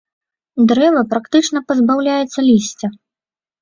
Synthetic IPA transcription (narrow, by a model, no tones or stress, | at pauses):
d̪ɾɛvɐpɾakt̪ɨt͡ʂnɐpɐzbawlʲajɛt̪sːɐlʲisʲt͡sʲɐ